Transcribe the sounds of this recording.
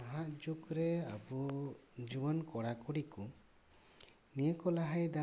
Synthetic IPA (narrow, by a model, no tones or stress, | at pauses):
aɦaʔd͡ʒukɾɛabud͡ʒubɔnkɔɽakuɽiku | nijəkɔlaɦajd̪a